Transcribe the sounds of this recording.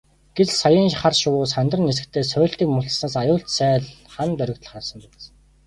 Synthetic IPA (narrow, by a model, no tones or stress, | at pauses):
ɡ̥et͡ssajəːnχarʃʊwʊːsχant̪rə̆nːes̬ɘ̆k̚t̪ʰeːsœːɬt̪iːkmʊɮɬsnaːsajʊːɬt̪sæːɮχant̪œɾʲɪ̆kt̪ə̆ɮχarsə̆mpæt͡s